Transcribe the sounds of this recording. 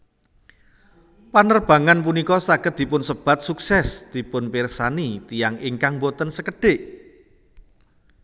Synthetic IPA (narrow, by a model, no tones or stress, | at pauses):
panərb̥a̤ŋanp̬unikɔsaɡ̥ət̪̚d̪̥i̤pʊnsəb̥a̤t̪̚suksɛsd̪̥i̤pʊnpirsanit̪ijaŋiŋkaŋmbot̪ənsəkəɖ̥eʔ